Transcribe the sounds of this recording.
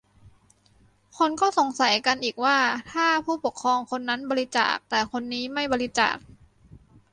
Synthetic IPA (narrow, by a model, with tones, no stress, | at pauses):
kʰo˧nkɔː˥˩so˩˦ŋsa˩˦jka˧nʔiː˨˩k̚waː˥˩t̪ʰaː˥˩pʰuː˥˩po˨˩kʰːɾɔː˧ŋkʰo˧nːa˦˥nbɔː˧li˦˥t͡ɕa̰ː˨˩k̚t̪ɛː˨˩kʰo˧nːiː˦˥ma˥˩jbɔː˧li˦˥t͡ɕa̰ː˨˩k̚